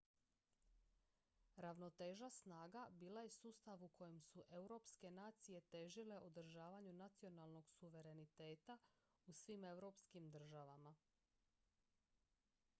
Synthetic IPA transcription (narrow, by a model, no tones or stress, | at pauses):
ɾaʋno̞t̪e̞ːʒasnaːɡabiːlaje̞suːst̪aʋukʰo̞jemsuʔe̞wɾo̞pske̞naːt̪sije̞t̪e̞ʒile̞ʔod̪r̩ʒaːʋaɲunat̪sio̞nalˠno̞ɡsuʋe̞ɾe̞nit̪e̞ːt̪a | usʋime̞wɾo̞pskimd̪r̩ʒaʋama